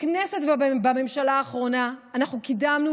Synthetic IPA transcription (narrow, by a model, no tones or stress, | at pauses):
knese̞tvabame̞mʃalaːχʁo̞naːnaχnukidamnu